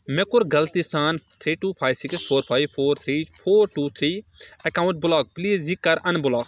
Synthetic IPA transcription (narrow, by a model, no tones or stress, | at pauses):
mekʊɾɡɐlt̪isaːnt̪ʰɾiːʈuːpʰaːjʋsiksfʰoːɾpʰaːjʋfʰoːɾt̪ʰɾiːfʰoːɾʈuːt̪ʰɾiːɐkaːwʊ̃ɳʈ̚bʊlɔːk̚pliːzikːɐɾɐnbʊlɔːk